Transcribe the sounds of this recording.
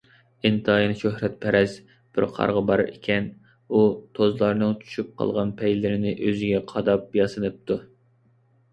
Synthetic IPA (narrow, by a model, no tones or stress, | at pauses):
ɪnt̪ʰɨɑjinɨʃøhɾɛt̪̚pʰɛɾɛz | b̥ɪɾqʰɑ̰ɾʁɑbɑɾɪ̰kʲʰɛn | ut̪ʰozlˠɑɾnɨŋt͡ʃʰy̥ʃyp̚qʰɑ̰lˠʁɑnpʰɛjlɪɾɪnɪʔøzɪɡʲɛqʰɑd̪ɑp̚jɑsɨnɨp̚t̪ʰu